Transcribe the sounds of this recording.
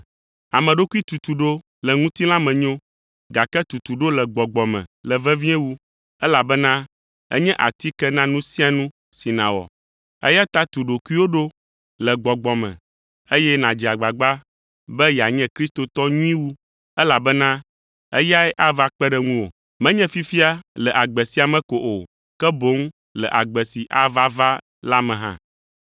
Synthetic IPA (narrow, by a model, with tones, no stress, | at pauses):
a˨mɛ̃˨ɖo˦ku˦i˦t̪u˨t̪u˨ɖo˦ | lɛ˨ŋũ˦t̪i˦lã˦mɛ̃˨ɲõ˦ | ɡa˨kɛ˦t̪u˨t̪u˨ɖo˦lɛ˨ɡ͡bɔ˨ɡ͡bɔ˨mɛ̰̃˨lɛ˨vɛ˦vĩ˦ɛ˦wu˦ | ɛ˦la˨bɛ˦nã˦ | ɛ̰˦ɲɛ̃˦ʔa̰˨t̪i˦kɛ˦nã˦nũ˦si˦a˨nũ˦ | si˨nã˨wɔ̰˨ | ɛ̰˦ja˦t̪a˦t̪u˨ɖo˨kʷi˦wo˦ɖo˦ | lɛ˨ɡ͡bɔ˨ɡ͡bɔ˨mɛ̰̃˨ | e˦jɛ˦nã˨d͡ʒi˨a˨ɡ͡ba˨ɡ͡ba˦ | bɛ˦ja˨ɲɛ̃˦kɾi˦st̪o˨t̪ɔ˦ɲũ˦ĩ˦wu˦ | ɛ˦la˨bɛ˦nã˦ | ɛ˦ja˦ɛ˦ʔa˦va˦k͡pɛ˦ɖɛ˦ŋũ˦wo̰˨ | mɛ̃˦ɲɛ̃˦fi˦fi˦a˦lɛ˨ʔa˨ɡ͡bɛ˨si˦a˨mɛ̃˦ko˨ʔo˨ | kɛ˦bo˦ŋ | lɛ̰˨ʔa˨ɡ͡bɛ˨si˨ʔa˨va˦va˦ | la˦mɛ̃˨ɦã̰˦